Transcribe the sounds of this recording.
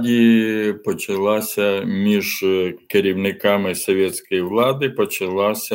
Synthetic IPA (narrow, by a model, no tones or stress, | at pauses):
dʲipɔt͡ʃɪlˠɑsʲɐmʲiʒkeɾʲiwnɪkɑmɪsɔʋʲɛt̪ʲsʲkɔjiʋlˠɑd̪ɪpɔt͡ʃɐlˠɑsʲɐ